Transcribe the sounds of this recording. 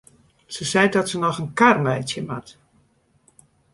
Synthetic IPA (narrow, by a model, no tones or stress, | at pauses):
səsɛjdɔtsənɔxənkarmɛjtjəmat